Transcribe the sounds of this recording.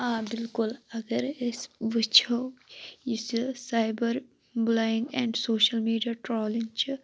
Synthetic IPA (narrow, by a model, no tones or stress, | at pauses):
ãːbɪlkʊlɐɡəɾɪsʋit͡ʃʰo | issaːɪbəɾ | blaːɪ̃ŋɡɛ̃ːɳɖsoːʃəlmiːɖijaʈɾɔːlĩŋt͡ʃʰi